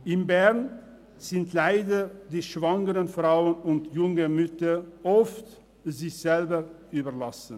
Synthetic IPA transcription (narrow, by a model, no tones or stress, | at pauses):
ʔɪmbɛʁn | z̥ɪntʰlaɪdədiːʃv̥aŋəʁənfʁaʊənʊntjʊŋəmʏtəʔɔft | zɪçz̥ɛlbə | yːbɐlasn̩